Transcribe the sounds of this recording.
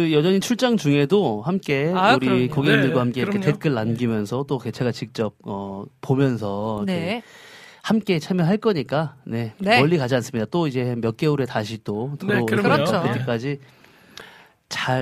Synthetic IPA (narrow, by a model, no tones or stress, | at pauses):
kɯjʌd͡ʑʌɲit͡ɕʰuɭt͡ɕ͈aŋd͡ʑuŋe̞dohamk͈e̞uɾikoɡeimdɯɭɡwahamk͈eiɾkʰetet̚k͈ɯɭːamɡimjʌnsʰʌt͈oket͡ɕʰe̞ɡat͡ɕik̚t͡ɕ͈ʌp̚ʌp͈ːomjʌns̬ʰʌne | hamk͈e̞t͡ɕʰamjʌɦaɭk͈ʌɲik͈ane̞wʌʎːikad͡ʑians͈ɯmɲidat͈oid͡ʑe̞mjʌt̚k͈e̞uɾe̞taɕʰit͈otɯɾoet͈ːek͈ad͡ʑi | t͡ɕa